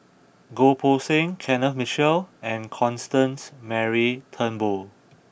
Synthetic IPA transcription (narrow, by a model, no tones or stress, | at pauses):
ɡopʰosɪ̃ŋkʰɛ̃nəfmit͡ʃɛlɛ̃nkʰɔ̃nstə̃nsmɛɹitʰə̃nbol